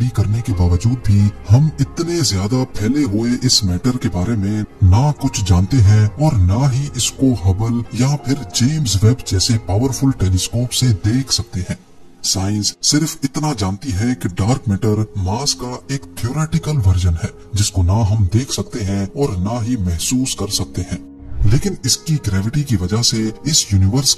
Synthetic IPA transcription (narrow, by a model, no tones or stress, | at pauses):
ɽikɐɾnekebaːʋəd͡ʒuːd̪̚bʱihɐmɪt̪nezjaːd̪apʰɛːleɦoeʔɪsmɛːʈəɾkebaːɾemẽnakʊt͡ʃʰd͡ʒãːnt̪eɦɛ̃ɔːɾnaɦiʔɪskoɦɐbəljãpʰɪɾd͡ʒeːmzʋɛːbd͡ʒɛːsepaːʋəɾfʰʊlʈeːleskoːpsed̪eːkʰsɐk̚t̪eɦɛ̃ː | saːɪ̃nsːɪɾfɪt̪nad͡ʒaːnt̪iɦɛkiɖaːɾkmeːʈəɾmaːskaeːkt̪ʰioːɾeːʈɪkəlʋɐɾd͡ʒənɦɛː | d͡ʒɪskonaɦɐmd̪eːkʰsɐk̚t̪eɦɛ̃ɔːɾnaɦimɛɦsuːskɐɾsɐk̚t̪eɦɛ̃ː | leːkɪnɪskiɡɾɛːʋɪʈikiʋɐd͡ʒaɦseɪsjuːnɪʋəɾs